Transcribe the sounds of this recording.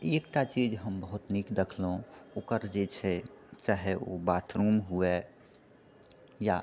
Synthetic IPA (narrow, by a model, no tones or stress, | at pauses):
ekʈat͡ʃid͡ʒɦəmbəɦʊt̪nikd̪ekʰleɦũoːkəɾd͡ʒet͡ʃʰɛt͡ʃaːɦeo̰baːt̪ʰɾumɦue | ja